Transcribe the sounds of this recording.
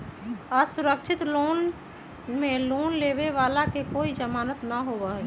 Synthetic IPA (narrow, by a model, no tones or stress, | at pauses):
asʊɾəkt͡ʃʰɪt̪loːn | mẽloːnleːʋeʋaːlakekoːid͡ʒəmaːnət̪naɦoːʋaɦɛ